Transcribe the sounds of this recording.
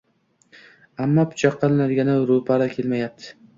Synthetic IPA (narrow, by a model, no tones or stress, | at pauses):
amːɒpʰʊ̥t͡ʃʰaqʰːɑlˠɪnad̪ɪɡʲanɪɾopʰaɾakʲʰe̞lmajap̚t̪ʰɪ̥